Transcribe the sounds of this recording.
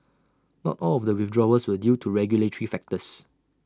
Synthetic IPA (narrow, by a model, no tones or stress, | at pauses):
nɔ̰tɔlɔvdəwɪfdɹɔəswədjutʰuɹɛɡjuletəɹifɛk̚təs